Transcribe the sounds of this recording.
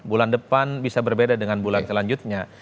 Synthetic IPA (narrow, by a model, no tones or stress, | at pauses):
bulandəpanbisabərbedadəŋanbulansəlaɲd͡ʒut̪̚ɲa